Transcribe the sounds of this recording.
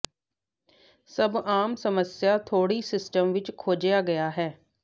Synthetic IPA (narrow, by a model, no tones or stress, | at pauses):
səbaːmsəməsɪjaːt̪ʰoːɽiːsɪsʈəmʋɪt͡ʃkʰoːd͡ʒjaːɡəjaːɦɛː